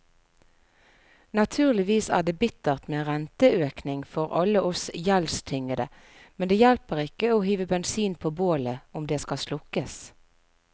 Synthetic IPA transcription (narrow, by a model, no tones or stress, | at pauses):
nɑt̪ʰʉːʁlɪʋiːsæ̰ːd̪eːbɪt̪əʁt̪meʁɛnt̪əøːknɪŋfɔʁɑ̰ləʔɔsjɛlst̪ʰɪŋəd̪ə | mɛnd̪eːjɛlpəʁɪkəoːɦyːʋəbɛnsiːnpʰoːboːləʊmd̪eːskɑslʊkəs